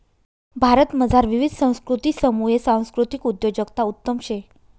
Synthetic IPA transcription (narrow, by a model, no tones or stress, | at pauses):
bʱaɾət̪məd͡zʱaɾʋiʋid̪ʱsə̃w̃skɾut̪iːsəmuesãw̃skɾut̪ikud̪jod͡ʑəɡt̪aut̪ːəmɕe